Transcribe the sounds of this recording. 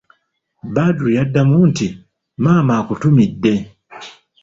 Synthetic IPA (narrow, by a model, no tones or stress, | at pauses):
badujadːamunti | mamakutumidːɛ